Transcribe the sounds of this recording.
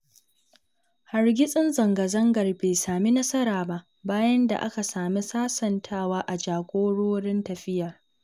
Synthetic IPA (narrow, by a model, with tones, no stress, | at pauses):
ha˨rɡʲɪ˦sʼɪ˦nzɐ˨ŋɡɐ˨zɐ˦ŋɡɐ˨rbeː˨saː˨mi˦nɐ˦sɐ˦ɾaː˨ba˦ʔ | baː˦jɐ˦nda̰˨ʔa̰˦ka˨saː˨mi˦saː˦sɐ˨ntʰaː˦waː˦ʔa˨d͡ʒaː˨ɡʷʼoː˦ɽoː˦ɽɪ˦ntɐ˨ɸɪ˦jɐ˨r